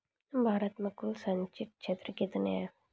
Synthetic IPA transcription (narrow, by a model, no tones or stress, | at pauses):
bʱaːɾət̪mẽkʊlsɐɲt͡ʃiʈ̪̚t͡ʃʰeːt̪ɾəkit̪nea